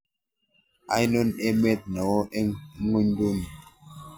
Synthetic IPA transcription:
a˦jno˦ne˦me˦t̚nɔ˨wʔe˦ŋu˦ɲ˦do˦n˨

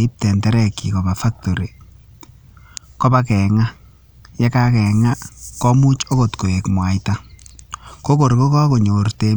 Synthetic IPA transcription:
ɪ˦p̚tɛ˨ntɛ˦ɾɛ˨ki˨kɔ˨ba˨fa˦k̚to˨ɾi˨ | kɔ˦ba˦kɛ˨ŋa˦ | jɛ˦ka˦kɛ˨ŋa˦kɔ˦mu˦t͡ʃo˦ko˨tko˨e˨kmwa˨jta˦ | ko˦ko˨ɾko˦kɔ˦ko˨ɲo˨rte˦

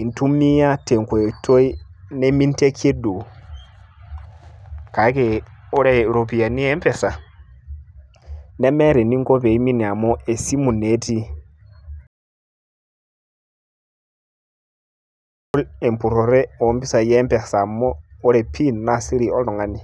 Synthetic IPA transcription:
i˨ntu˦mi˦ja˦te˨ŋkʷe˨tʰo˦i˦ne˦mi˦nte˦kʰe˦du˨ | ka˨˦ke˨o˦ɾe˦˨ɾo˨pi˨a˨ni˦ɛ˦mpɛ˨sa˨ | ne˦mɛ˦ɾe˨ni˦ŋɡo˦βe˨i˦mi˦ni˨a˨mɔ˦ʔe˨si˦mu˨ne˨˦ti˦ | u˦le˨mpu˨ɾo˨ɾe˦o˨˦mbi˦sa˨jɛ˦mpɛ˨sa˨mɔː˦ɾe˨pʰi˦˨nːa˨si˦ɾi˨o˦lɔ˨ŋa˨ni˦

